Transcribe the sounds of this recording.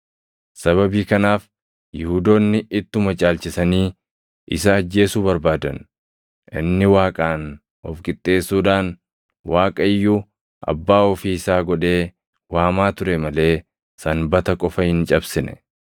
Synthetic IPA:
sɐβɐbiːkɐnaːf | jɪhuːd̪oːnːɪɪt̪ːʊmɐt͡ʃʼaːlt͡ʃɪsɐniː | ʔɪsɐːd͡ʒːe̞ːsuːbɐɾbaːd̪ɐ̰n | ʔɪ̰nːɪwaːkʼaːn | ɔfɡɪt̪ʼːe̞ːsːuːᶑaːn | waːkʼɐɪjːu | ʔɐ̰bːaːɔfiːɪsaːɡɔᶑe̞ː | waːmaːt̪ʊɾɛmɐle̞ː | sɐnbɐt̪ɐkʼɔfɐhɪnt͡ʃʼɐbsɪnɛ̥̰

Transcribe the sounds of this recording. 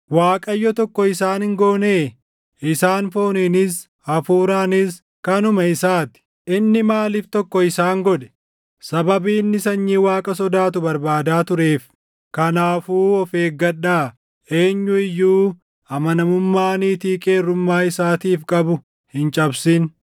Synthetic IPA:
waːkʼɐjːɔt̪ɔkːɔɪsaːnhɪŋɡoːneː | ɪsaːnfo̞ːneːnɪs̬ | ɐfuːɾaːnɪs | kɐnʊmɐɪsaːt̪ɪ̥ | ʔɪnːɪmaːliːft̪ɔkːɔɪsaːŋɡɔᶑɛ̥ | sɐbɐbiːnːɪsɐɲːiːwaːkʼɐsɔd̪aːt̪ʊbɐɾbaːd̪aːt̪ʊɾe̞ːf | kɐnaːfuːɔfe̞ːɡɐɗːaː | e̞ːɲːʊɪjːuː | ɐmɐnɐmʊmːaːniːt̪iːkʼe̞ːrːʊmːaːɪsaːt̪iːfkʼɐbʊ | hɪnt͡ʃʼɐbsɪn

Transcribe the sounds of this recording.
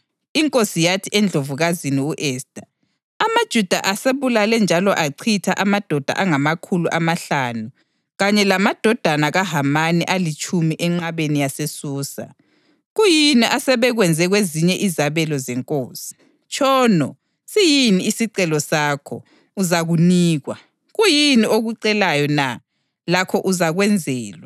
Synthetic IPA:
iŋkʼosijatʰiʔɛnd͡ɮʱovuɣaziniuʔɛːsd̥ʱa | amad̥ʒ̥ʱud̥ʱaʔaseβulalɛnd͡ʒʱalɔʔaǀʰitʰaʔamad̥ʱɔd̥ʱa̰ʔaŋamakʰuluʔamaɬaːnu | ɣaɲɛlamad̥ʱɔd̥ʱanaɣaɦamaniʔalit͡ʃʰʼumiʔɛŋ͡ǁaβenijasesuːsa̰ | ɣujiniʔasɛβɛɣwɛnd͡zʱɛɣweziɲɛʔizaβɛlɔzɛŋkʼoːsi̥ | t͡ʃʰʼɔːnɔ | sijiniːsiǀɛlɔsaːkʰɔ̰ | uzaɣuniːɣwa | ɣujinioɣuǀɛlajɔna | lakʰɔʔuzaɣwɛnd͡zʱɛːlwa

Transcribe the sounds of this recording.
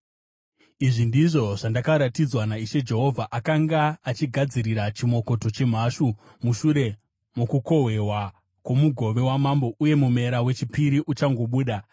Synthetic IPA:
iʐindiʐo̞ʐ̥andakaɾatid͡zwanaiʃe̞d͡ʒe̞ɦo̞vʱaʔakaŋɡaːt͡ʃiɡʱad͡ziɾiɾat͡ʃimo̞ko̞to̞t͡ʃe̞m̤aʃu | muʃuɾe̞ | mokuko̞ɦwe̞ɦwa | kwomuɡʱo̞ʋe̞wamambo̞ʔuje̞mum̤e̞ɾawe̞t͡ʃipiɾiʔut͡ʃaŋɡo̞ɓuːɗa

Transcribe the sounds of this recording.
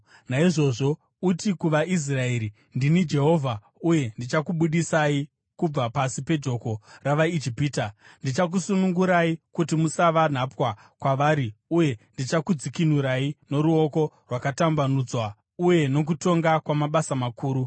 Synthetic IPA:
naiʐo̞ʐo̞ | utikuʋais̬rae̞ɾi | ndinid͡ʒe̞ɦo̞ːvʱa | uje̞ndit͡ʃakuɓuɗisai | kub͡vapasipe̞d͡ʒo̞ko̞raʋaid͡ʒipiːta | ndit͡ʃak̬usunuŋɡuɾaikutimusaʋan̤apwa | kwaʋaːɾiuje̞ndit͡ʃakud͡zikinuɾaino̞ɾuo̞ko̞ | rwakatambanud͡zwa | uje̞no̞k̬uto̞ŋɡakwamaɓasamakʰuːɾu

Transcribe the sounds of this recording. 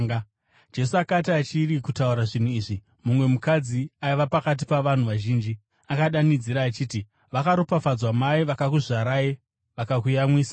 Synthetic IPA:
d͡ʒe̞suakatiat͡ʃirikutauɾaʐin̤uiːʐi | mumwe̞mukad͡ziaiʋapakat̬ipaʋan̤uʋaʒiːnd͡ʒi | akaɗanid͡ziɾaːt͡ʃiːti | ʋakaɾopafad͡zwamaiʋakakuʐaɾaje | ʋakakujamwiːsḁ

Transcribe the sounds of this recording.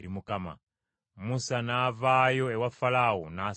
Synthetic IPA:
ɾimukama̰ | musanaːvajoewafalaona

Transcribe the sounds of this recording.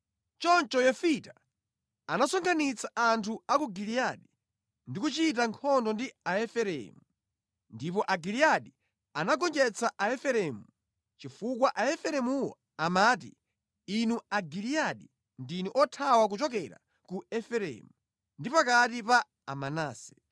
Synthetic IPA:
t͡ʃɔnt͡ʃɔjɔfita | anasɔŋɡʰanit͡saʔantʰuakuɡilijaɗi | ndikut͡ʃit̬aŋkʰɔndɔndiaɛfɛɾɛ̰mu | ndipɔʔaɡilijaɗi | anaɡɔnd͡ʒɛt͡saʔaɛfɛɾɛmu | t͡ʃifukwaʔaɛfɛɾɛmuwɔ̰ | amaːt̬ḭ | inuaɡilijaɗi | ndinuʔɔtʰawak̬ut͡ʃɔk̬ɛɾa̰ | kuɛfɛɾɛ̰mu | ndipakatipaː | manaːsɛ̥

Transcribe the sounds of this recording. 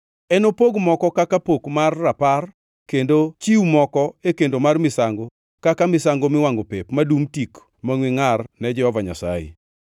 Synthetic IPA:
ɛnopoɡmɔkɔkakapokmarːapar | kendot͡ʃiumɔkɔekendomarmɪsaŋɡo | kakamɪsaŋɡomɪwaŋɡopepmadumtik | maŋwɪŋarnɛd͡ʒɛhɔvaɲa̰sa̰jḛ

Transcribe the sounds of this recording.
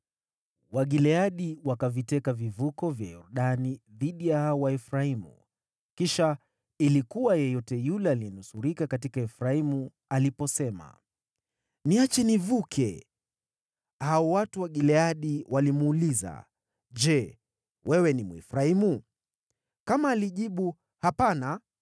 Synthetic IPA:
waɠilɛaɗiwakavitɛkavivukɔvja̰jɔ̰ɾɗaniðiɗijahaɔwaɛfɾaimṵ | kiʃa | ilikuwajɛjɔtɛjulɛaliɛnusuɾikakatikaɛfɾaimu | alipɔsɛma̰ | niat͡ʃɛnivukʰɛ | haɔwatuwaɠilɛaɗiwʔalimuːliza̰ | d͡ʒɛ | wʔɛwɛnimuɛ̰fɾaimu | kamaːliʄiɓu | hapana

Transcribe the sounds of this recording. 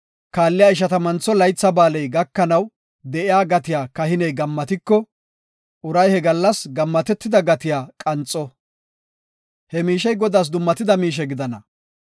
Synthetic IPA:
kaːlːɪjaːɪʃ̬ɐt̪ɐmɐnt͡sːɔlɐjt͡sːɐbaːlɛjɡɐkːɐnɐw | d̪ɛʔɪjaːɡɐt̪ɪjaːkɐhɪnɛjɡɐmːɐt̪ɪkːɔ | ʔʊɾɐjhɛɡɐlːɐsɡɐmːɐt̪ɛt̪ːɪd̪ɐɡɐt̪ɪjaːkʼɐnt͡sʼːɔ | hɛmiːʃɛjɡɔd̪aːs̬d̪ʊmːɐt̪ɪd̪ɐmiːʃ̬ɛɡɪd̪ɐnɐ

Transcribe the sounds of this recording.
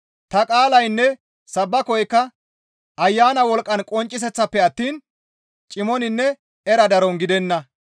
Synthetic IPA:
t̪ɐkʼaːlɐjnːɛ | sɐbːɐkɔjkːɐ | ʔɐjːaːnɐwɔlkʼːɐnkʼɔnt͡ʃʼːɪs̬ɛt͡sːɐpːɛɐt̪ːiːn | t͡ʃʼɪmɔnɪnːɛ | ɛɾɐd̪ɐɾɔnɡɪd̪ɛnːɐ

